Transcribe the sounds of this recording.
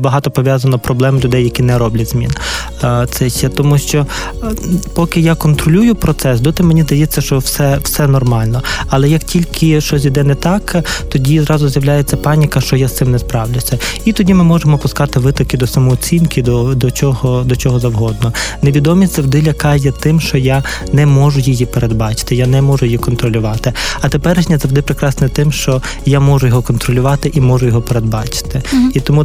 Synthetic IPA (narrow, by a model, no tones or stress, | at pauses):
bɐɦɑt̪ɔpɔʋʲjɑzɐnɔpɾɔblˠɛmlʲʊd̪ɛjːɐkʲinɛɾɔblʲɐtʲz̥mʲḭn | t̪sɛʃɛt̪ɔmuʃt͡ʃɔ | pɔkɪjɑkɔnt̪ɾɔlʲujʊpɾɔt̪sɛsd̪ɔt̪ɪmenʲizd̪ɐjɛt͡sʲːɐʃt͡ʃɔwsɛwsɛnɔrmɑlʲnɔɐlˠɛjɐktʲilʲkɪʃt͡ʃɔs̬ʲid̪ɛnɛt̪ɑkt̪ɔdʲizɾɑzʊzjɐwlʲajet͡sʲːɐpɑnʲikɐʃt͡ʃɔjast̪ɪmnɛspɾɑwlʲʊsʲɐit̪ɔdʲimɪmɔʒemɔpʊskɑt̪ɪʋɪt̪ɔkɪd̪ɔsɐmɔːt͡sʲinkɪd̪ɔd̪ɔt͡ʃɔɦɔd̪ɔt͡ʃɔɦɔzɐwɦɔd̪nɔneʋʲid̪ɔmʲisʲtʲzɐwd̪ɪlʲɐkɑjɛt̪ɪmʃt͡ʃɔja | nɛmɔʒʊjɪjipeɾed̪bɑt͡ʃɪ̥t̪ɪjanɛmɔʒʊjɪjikɔnt̪ɾɔlʲʊʋɑt̪ɪɐt̪epɛɾeʃnʲɐzɐwd̪ɪpɾɪkɾɑsnɛt̪ɪmʃt͡ʃɔ | jamɔʒʊjɔɦɔkɔnt̪ɾɔlʲʊʋɑt̪ɪʔimɔʒʊjɔɦɔpeɾed̪̚bɑt͡ʃɪ̥t̪ɪit̪ɔmu